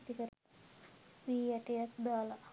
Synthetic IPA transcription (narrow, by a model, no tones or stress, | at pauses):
t̪ikəɾ | ʋiːjæʈejakd̪aːla